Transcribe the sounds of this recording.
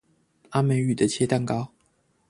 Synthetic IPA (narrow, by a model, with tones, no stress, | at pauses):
a˥me˧˥ɪy˥˨˩d̪ə˨t͡ɕʰjɛ˥t̪a˥˨nkɑ˥ʊ